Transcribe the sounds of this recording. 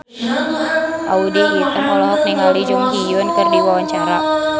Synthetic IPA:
ʔa̰udiit̪əŋɔlɔɦɔk̚niŋalid͡ʒuŋhijɔnkɨrdiwawaɲt͡ʃaɾa

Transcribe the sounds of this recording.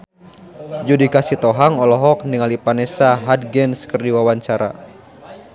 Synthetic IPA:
d͡ʒudikasit̪ɔɦaŋɔlɔɦɔk̚niŋalipanɛsaɦad̪̚ɡɛnskərdiwawaɲt͡ʃaɾa̰

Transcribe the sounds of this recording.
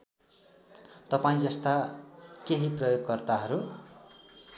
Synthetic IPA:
t̪ʌpaĩd͡zʌst̪akeɦiprʌjoɡ̚kʌrt̪aɦʌɾu

